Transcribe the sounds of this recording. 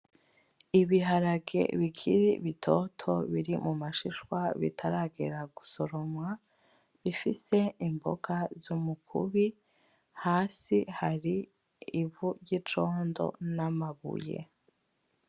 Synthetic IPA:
iβiɦaɾaɡe̞̰βikʰiɾiβitʰotʰo̞βiɾimumaʃiʃwaβḭtʰaɾaɡeɾaɡuso̞ɾomwa | βifise̞imbo̰ɡazumukʰṵβi | haːsihaɾiː | βuɟit͡ʃoːndo̞̰namaβṵje̞̰

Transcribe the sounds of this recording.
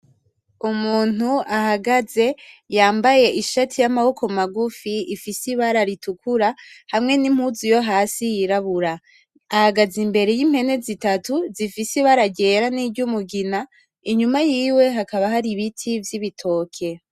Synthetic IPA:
umuːn̥uahaɡaze̞jaːmbaje̞ʔiʃatʰijamaβo̞kʰo̞maɡufiifisiβaɾaɾitukʰuɾahamŋe̞nim̥huzujo̞ɦaːsijiɾaβuɾaː | haɡazimbe̞ɾe̞jim̥he̞ne̞zitatuzifisiβaɾaɟe̞ːɾaniːɟumuɡina | iɲumajiːwe̞ɦakaβaɦaɾiβitʰivjiβitʰo̞ːkʰe̞

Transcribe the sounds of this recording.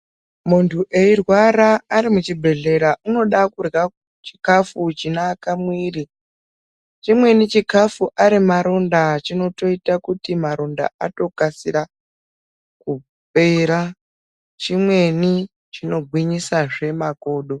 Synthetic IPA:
muntʰuʔe̞irwaɾaːɾimut͡ʃibʱe̞ɮe̞ɾauno̞ɗakurɣa | t͡ʃi̥kafut͡ʃinaːkamwiːri | t͡ʃimwe̞nit͡ʃikafuʔaɾimaɾo̞ndat͡ʃino̞to̞itakutimaɾo̞nda̰ato̞kasiɾa | ku | peɾa | t͡ʃimwe̞ni | t͡ʃino̞ɡʱwiɲisaʐe̞mako̞ːɗo̞

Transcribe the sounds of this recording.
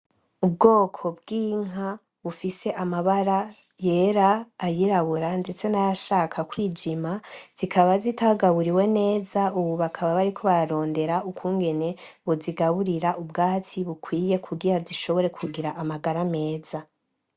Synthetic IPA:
ub̚ɡo̞ːkʰo̞b̚ɡ̥iːŋ̥a | βufise̞ʔamaβaɾa | je̞ɾaːjiɾaβuɾande̞t͡se̞naɾaʃaːkʰakwiːd͡ʒimaz̥ikʰaβazitaɡaβuɾiwe̞ne̞ːzauβuβakʰaβaβaɾikʰo̞βaɾaɾo̞ːnde̞ɾaukuːŋɡe̞ne̞ | βuziɡaβuɾiɾaʔubɡaːtiβukwiːje̞kʰuɡiɾaziʃo̞βo̞ɾe̞kʰuɡiɾaʔːmaɡaɾame̞ːz̥a

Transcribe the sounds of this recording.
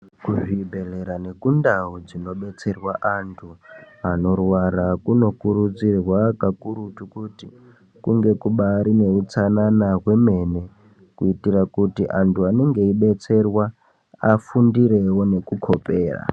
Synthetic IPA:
kuʐibʱe̞leɾane̞kundaud͡zino̞ɓe̞t͡se̞rwaʔantʰu | ano̞rwaɾakuno̞kuɾud͡zirwakakuɾutukuti | kuŋɡe̞kuɓaɾine̞ut͡sananaɦwe̞me̞ne̞ | kuitirakutiʔantʰuane̞ŋɡe̞iɓe̞t͡se̞rwa | afundiɾe̞wo̞ne̞kukʰo̞peːra̰

